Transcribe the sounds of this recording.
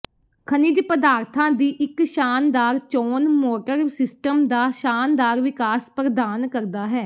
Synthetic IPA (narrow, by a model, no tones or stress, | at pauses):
kʰənɪd͡ʒpəd̪aːɾt̪ʰãːd̪iːʔɪkʃaːnd̪aːɾt͡ʃoːnmɔːʈəɾsɪsʈəmd̪aːʃaːnd̪aːɾʋɪkaːspɾəd̪aːnkəɾd̪aːɦɛː